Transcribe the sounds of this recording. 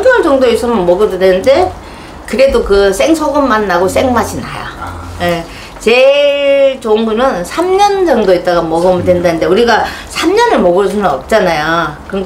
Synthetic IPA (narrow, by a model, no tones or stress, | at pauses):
pʰɯant͡ɕʌŋdois͈ʰʌmɯnmʌɡɯdodwenɯnde̞ | kɯɾe̞dokɯs͈e̞ŋsʰoɡɯmːanːaɡos͈e̞ŋmaɕʰina̰ja̰ | e | t͡ɕe | t͡ɕoŋbunɯnsʰamɲʌnd͡ʑʌŋdoit̚t͈aɡamʌɡɯmɯdwenɯndanɯnde̞uɾiɡasʰamɲʌnɯɭmʌɡɯɭsʰunɯnʌp̚t͡ɕ͈anajokɯŋɡ